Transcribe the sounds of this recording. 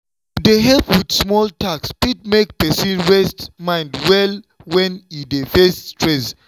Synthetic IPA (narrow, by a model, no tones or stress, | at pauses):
deɦɛpwidsmɔltʰakspit̚mek̚pɛsĩnɹɛstmãɪ̃ndwɛl | wɛ̃nidefestɹɛs